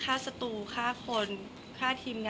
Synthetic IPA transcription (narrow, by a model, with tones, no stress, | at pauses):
aː˥˩sa˧t̪uː˨˩kʰaː˥˩kʰo˧n | kʰaː˥˩t̪ʰiː˧mŋa˧